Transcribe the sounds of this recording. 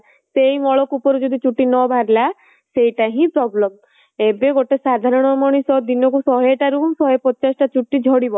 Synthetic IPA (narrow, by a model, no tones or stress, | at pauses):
sejmɔɭɔkupɔɾud͡ʒɔd̪it͡ʃuʈːinɔbʱaɾla | sejʈaɦĩpɾɔblɔm | ebeɡoʈesad̪ʱaɾɔɽ̃ɔmɔɽ̃isɔd̪inɔkusɔɦeʈaɾusɔɦepɔt͡ʃasɔ̥ʈat͡ʃuʈːid͡ʒʱɔɽibɔ